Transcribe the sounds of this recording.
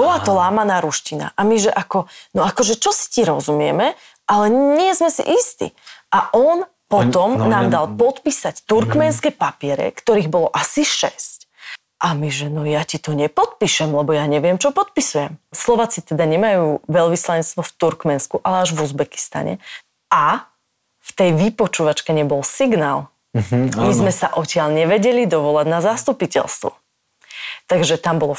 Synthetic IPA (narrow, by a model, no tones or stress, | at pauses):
bɔlat̪ɔlaːmanaːɾuʃcina̰ʔamiʒɛʔakɔnɔakɔʒɛt͡ʃɔsi̥ciɾɔzumɪɛ̰mɛ | ʔalɛɲɪɛzmɛsḭʔist̪ḭʔaʔɔn | pɔt̪ɔmnaːmd̪alpɔt̪piːsact̪uɾkmɛnskɛpapɪɛɾɛ̰kt̪ɔɾiːɣbɔlɔʔasiʃɛsc | ʔamiʒɛnɔjacit̪ɔɲɛpɔt̪̚piʃɛmlɛbɔjaɲɛʋɪɛmt͡ʃɔpɔt̪̚pisujɛmslɔʋaːt͡sit̪ɛd̪aɲɛmajuːʋɛlʋislaɲɛt͡st̪ʋɔft̪uɾkmɛnskuʔalɛaʒʋuzbɛki̥st̪a̰ɲɛ̰ | ʔa | ft̪ɛjʋipɔt͡ʃuʋat͡ʃkɛɲɛbɔlsiɡnaːl | mizmɛsaʔɔcɪalɲɛʋɛɟɛlid̪ɔʋɔlaɟnazast̪upicɛ̰lst̪ʋɔ̰ | t̪aɡʒɛt̪ambɔlɔ